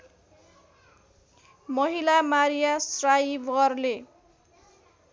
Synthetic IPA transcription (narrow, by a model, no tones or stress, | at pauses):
mʌɦilamaɾijasrajbʌrle